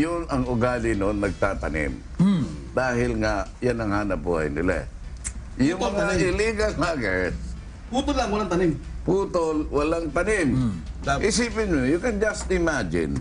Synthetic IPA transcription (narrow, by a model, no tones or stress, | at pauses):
jʊnɐŋʊɡaːlɪnonːɐɡ̚t̪aːt̪ɐnɪ̰m | d̪aːɦɪlŋajanɐŋhaːnɐbuha̰jnɪ̰la̰ | jʊŋmɐŋaɪliːɡɐlmaɡɛɹs | puːt̪olːaŋwɐlaŋt̪ɐnɪm | puːt̪olwɐlaŋt̪ɐnɪmʔɪsiːpɪnmojʊkɛnd͡ʒɐst̪ɪmad͡ʒɪ̰̃n